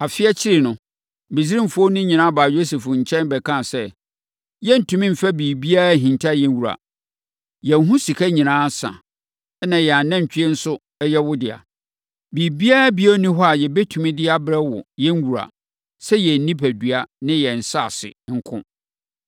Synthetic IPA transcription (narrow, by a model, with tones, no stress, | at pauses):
a˨fɪ˦ɛ˦t͡ɕʰɪ˦ɾɪ˨nʊ̃˨ | bi˨si˦ɾĩ˦m̩˨fʊ˦ɔ˦nʊ̃˦ɲĩ˨nãː˦baː˨jo˦se˨fʊ˨ɲ̩˨t͡ɕʰɛ̃˦nbɛ˨kʰã˦˨sɛ˦ | jɛ˦n̩˨tʰũ˨mĩ˦m̩˨fa˦biː˨bi˦a˦˨ɦĩ˨ntʰa˦jɛ̃˦n˦wu˨ɾa̰˨ | jɛ˨n˦˨ɦũ˦si˨kʰa˦ɲĩ˨nãː˦sã̰˨˦ | nã˨jɛ˨a˨nɛ̃˦ɲ˨t͡ɕᶣɪ˦ɛ˦n̩˦sʊ˦ | ɛ˦jɛ˦wʊ˦dɪ˨a̰˨ | bi˨bi˦a˦bi˦o˦nĩ˦ɦɔ˦a˨jɛ˨bɛ˦tʰu˨mĩ˦dɪ˦a˨bɾɛ˦wʊ̰˨jɛ̃˦ŋ˦wu˨ɾa̰˨ | sɛ˦jɛ˨n̩˦nĩ˦pʰæ˨dɥa˦nɪ̃˦jɛ˨n̩˨sa˦˨sɪ̰˨ŋ̩˦kʰʊ̰̃˦